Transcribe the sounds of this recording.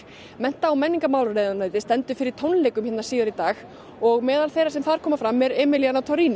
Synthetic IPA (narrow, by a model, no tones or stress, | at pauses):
mɛn̥t̪aːwmɛnːiŋkamaːwlreːðʏnaːjt̪ɪst̪ɛnt̪ʏ̥fɪɾɪɾ̥t̪ʰownlejkʏmçɛt̪naɾsiːðaɾit̪aːx | ɔɣmɛːðalθejɾasɛmθaɾ̥kʰɔːmafɾamːɛɾɛːmɪljanat̪ʰɔɾiːni